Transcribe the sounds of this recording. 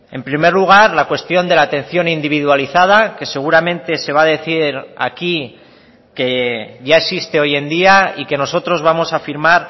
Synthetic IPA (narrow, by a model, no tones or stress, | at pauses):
e̞mpɾime̞ɾluɣ̞aɾlakwe̞st̪jo̞nd̪e̞lat̪ẽ̞nθjo̞nind̪iβ̞iðwaliθað̞ake̞se̞ɣ̞uɾamẽ̞nt̪e̞se̞β̞aðe̞θiɾa̰ki | ke̞ʝaesist̪e̞o̞je̞nd̪iaike̞no̞so̞t̪ɾo̞zβamo̞safiɾmaɾ